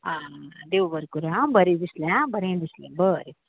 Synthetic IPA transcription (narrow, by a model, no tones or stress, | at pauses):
ad̪eʋbəɾkuɾaabəɾed̪islẽãbəɾẽd̪islḛ̃bəɾe